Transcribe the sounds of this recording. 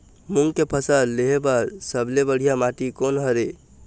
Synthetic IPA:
muŋɡkepʰəsəɾleɦebəɾsəblebəɽ̤ijamaʈikonɦəɾe

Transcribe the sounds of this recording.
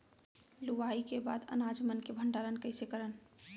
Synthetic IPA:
luʋaikeba̰d̪ə̰nad͡ʒmənkebʱəɳɖalənkəɪsekəɾən

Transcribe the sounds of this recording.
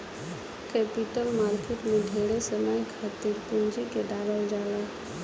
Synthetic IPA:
kɛpiʈəlmaɾkeʈmẽɖʱeɽesəməjkʰat̪iɾpũnd͡ʒikeɖaɾəld͡ʒala

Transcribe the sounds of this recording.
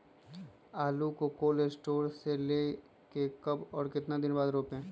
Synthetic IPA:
aːlukokoːlesʈoːɾseleː | kekɐbɔːɾkɪt̪nad̪ɪnbaːd̪ɾoːpɦẽː

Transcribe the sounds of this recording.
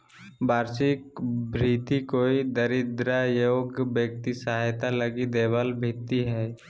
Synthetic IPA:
baːɾsikbʱɾiːt̪ikoːid̪əɾɪd̪ɾajoːɡbjək̚t̪isaːɦjt̪aləɡid̪eːbəlbʱɪt̪ːiɦɛː

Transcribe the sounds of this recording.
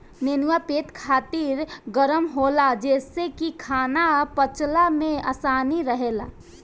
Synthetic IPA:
neːnuwapeːt̪kʰaːt̪iːɾɡəɾəmɦoːlad͡ʒɛːsekikʰaːnapət͡ʃlamẽasaːniɾəɦela̰

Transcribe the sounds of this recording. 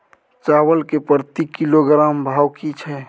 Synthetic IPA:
t͡ʃaːwəlkepəɾt̪ikiloɡɾaːmbʱaːwkit͡ʃʰɛ

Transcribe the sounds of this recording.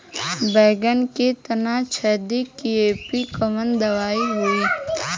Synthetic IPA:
bɛːɡənket̪ənat͡ʃʰɛɦd̪ikieːpikəmənd̪əʋaːiɦʊiː

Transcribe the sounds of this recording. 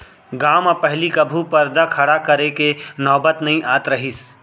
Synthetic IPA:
ɡaːmapɐɦlikɐbʱupɐɾd̪akʰɐɽakɐɾekenɔːbət̪nɐɦĩʔaːt̪ɾɐɦis

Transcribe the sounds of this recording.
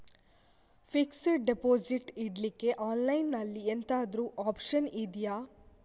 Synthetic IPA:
fiksɖepoːd͡ʒiʈiɽlikːe̞ʔaːnlɐjnːɐlːient̪aːd̪ɾuʔaːpʃɐnid̪jaː

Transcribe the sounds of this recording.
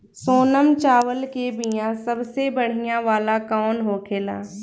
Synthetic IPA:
soːnəmt͡ʃaːʋəlkebijãsɐbsebɐɽ̤ijãʋaːlakaːnɦoːkʰeːla̰ː

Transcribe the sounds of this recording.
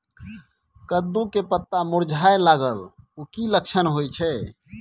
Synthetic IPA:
kəd̪ːũkepət̪ːamuɾd͡ʒʱajlaɡəlukilək̚t͡ʃʰənɦojt͡ʃʰɛ

